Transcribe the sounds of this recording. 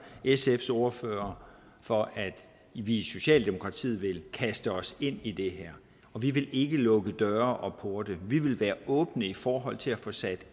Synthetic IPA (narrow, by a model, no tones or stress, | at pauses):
esefso̝ːɐføːɐ | fɒ̽ʔæd̥ | ʋiso̝ɕɛ̰ːld̥e̝mo̝kʰʁɑ̈t͡sʰḭð̩̰ˠʋe̝lkʰæsd̥əɒ̽se̝n̰id̥e̝ɦæɐ̰ | ɒ̽ʋiʋe̝lʔe̝ɡ̥əlɔ̽ɡ̥əd̥ɶɐʔɒ̽pʰoɐd̥əʋiʋe̝lʋæːɐɔ̽ːb̥nəifɒːɦɒ̽l̰t͡sʰe̝læfɔ̽sæd̥